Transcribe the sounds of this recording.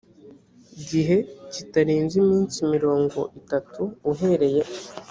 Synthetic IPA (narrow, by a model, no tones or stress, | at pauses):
ɟiɦe̞citaɾiːnzimiːnsimiɾo̞ːŋɡo̞̰ʔitatʰuːɦe̞ɾe̞je̞